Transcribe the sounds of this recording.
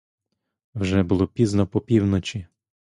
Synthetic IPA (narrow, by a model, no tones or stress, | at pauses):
wʒɛbʊlˠɔpʲiznɔpɔpʲiwnɔt͡ʃʲi